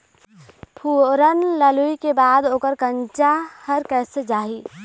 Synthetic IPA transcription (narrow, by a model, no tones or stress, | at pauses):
pʰuːɾənləluikebaːd̪oːkəɾkə̃ɲt͡ʃahəɾkɛːsed͡ʒaːɦiː